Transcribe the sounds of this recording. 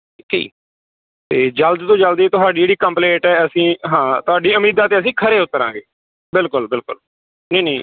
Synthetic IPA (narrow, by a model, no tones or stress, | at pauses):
kʰḭḭː | t̪eːd͡ʒəld̪t̪õːd͡ʒəld̪it̪ʊɦaːɖiːeːɽiːkəmpleːʈɛːəsĩːɦãːt̪ʊɦaːɖiːəmiːd̪aːt̪eːəs̬ĩːkʰəɾeːʊt̪ːəɾã̰ːŋɡeː | bɪlkʊlbɪlkʊ̰l | neːniː